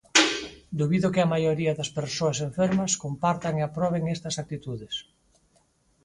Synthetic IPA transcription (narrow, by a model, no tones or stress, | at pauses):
d̪uβiðokeamajoɾiɐðɐspeɾsoaseɱfeɾmɐskompaɾt̪aŋeapɾɔβ̞eŋest̪ɐsak̚t̪it̪uðes